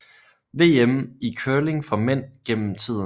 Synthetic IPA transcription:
ʋe̝̰ːemikʰøːle̝ŋfɒ̽men̰ɡ̥em̰m̩t͡sʰið̰ˠ

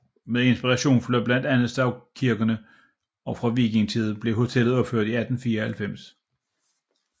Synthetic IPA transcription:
meðˠe̝nsb̥iʁɑ̈ɕo̝̰ːnfløb̥læn̰d̥ænð̩ˠsd̥ɑ̈ʊkʰiɐɡ̥ɐnə | ɒ̽fʁɑ̈ʋiɡ̥e̝ŋt͡sʰið̩ˠb̥le̝ɦo̝t͡sʰel̰ð̩ˠɒ̽b̥føɐ̰d̥iæd̥n̩fiːɐhælfem̰s

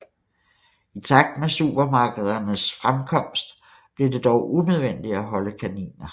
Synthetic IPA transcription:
it͡sʰɑ̈ɡ̥̚d̥mesṵːb̥ɐmɑ̈ːɡ̥əð̞ˠɐnəsfʁamkʰɒ̽m̰sd̥ | b̥liɐd̥e̝d̥ɒʊʔunøð̞ˠʋen̰d̥iæɦɒ̽ləkʰænḭːnɐ

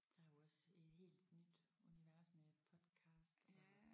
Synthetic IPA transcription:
d̥ɑ̈joɒse̝d̥he̝̰ːld̥nyd̥uniʋæɐsmepʰɒ̽d̥kʰɑ̈ːsd̥ɒ

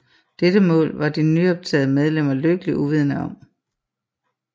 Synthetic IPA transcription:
d̥edəmɔ̰̽ːlʋɑ̈d̥innyɒ̽b̥̚t͡sʰɛ̰ːð̩ˠəmeð̞ˠlem̰ɐløɡ̥əliʔuʋið̞ˠnəɒ̽m

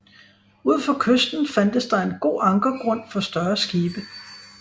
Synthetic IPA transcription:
uð̞̰ˠfɒ̽kʰøsd̥n̩fæn̰d̥əsd̥ɑ̈e̝nɡ̥o̝̰ːɑ̈ŋɡ̥ɐɡ̥ʁɔ̽n̰fɒ̽sd̥ɶɐsɡ̥iːb̥ə

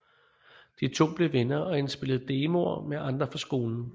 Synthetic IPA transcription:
d̥it͡sʰo̝̰ːb̥le̝ʋenɐʔɒ̽ensb̥e̝lð̞̩ˠd̥e̝ːmo̝ɐ̰meʔɑ̈nd̥ʁɐfɒsɡ̥o̝ːln̩

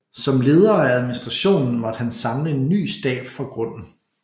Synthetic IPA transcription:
sɒ̽mle̝ːð̞ˠɐːææð̞ˠminisd̥ʁɑ̈ɕo̝̰ːnn̩mɒ̽d̥hænsɑ̈mləe̝nːy̰ːsd̥ɛ̰ːb̥fɒ̽ɡ̥ʁɔ̽n̰n̩

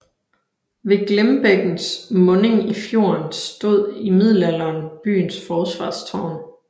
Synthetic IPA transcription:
ʋe̝ɡ̥lemb̥eɡ̥n̩smɔ̽ne̝ŋifjo̝̰ːɐnsd̥o̝ð̞̰ˠimið̞̰ˠl̩ælɐːnb̥y̰ːnsfɒːsʋɑ̈ːst͡sʰɒʊ̰n

